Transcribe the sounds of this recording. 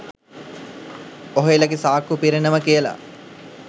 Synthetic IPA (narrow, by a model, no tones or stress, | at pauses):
oɦoelɐɡisaːkupiɾenəməkijəla̰